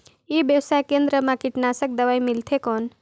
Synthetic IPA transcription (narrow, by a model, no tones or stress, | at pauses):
ibjəwsajkẽnd̪ɾəmãkiʈnasək̚d̪əʋajmilt̪ʰekɔːn